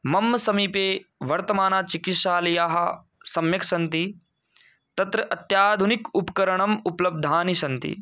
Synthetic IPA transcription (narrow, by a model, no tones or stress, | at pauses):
mɐmːɐsɐmiːpeːʋɐɾt̪ɐmaːnaːt͡ʃikit̪ʃaːlɐjaːɦɐ | sɐmjɐksɐnt̪i | t̪ɐt̪ɾɐʔɐt̪jaːd̪ʱunikupkɐɾɐɳɐmuplɐb̚d̪ʱaːnisɐnt̪ḭ